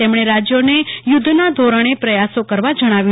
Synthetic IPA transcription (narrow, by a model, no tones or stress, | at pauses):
emɽ̃eɾad͡ʒjonejʊd̪ʱnad̪ʱoɾəɳ̃epɾəjasokəɾʋad͡ʒəɽ̃aʋju